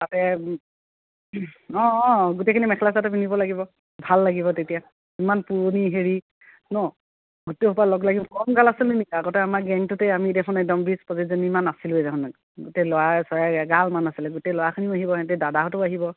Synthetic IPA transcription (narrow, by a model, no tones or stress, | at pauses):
tatɛ | ɔ̃ɔ̃ɡutekʰinimɛkʰlas̬atupinibɔlaɡibɔ | bʱalːaɡiβɔtetija | imanpuɹoniɦeɹi | nɔ | ɡuteɦupalɔɡlaɡikɔmɡalasilʊnikaɡɔtɛamaɡɛŋtʊteamidɛkʰɔnɛk̚dɔmbispɔzezenimanasilʊɛdɛkʰɔn | ɡutelʊwasɔjaɡalmanasilɛɡutelɔwakʰiniʊaɦibɔɛtɛdadaɦɔtʊaɦibɔ